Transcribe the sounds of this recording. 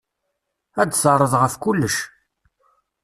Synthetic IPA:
æd̪səɾˤːəðʁəfkʊlːəʃ

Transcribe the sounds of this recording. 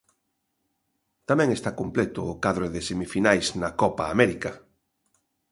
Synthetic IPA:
t̪amɛ̃ŋest̪akomplet̪ʊːkaðɾoðɪsemifinajznakɔpaːmɛɾika

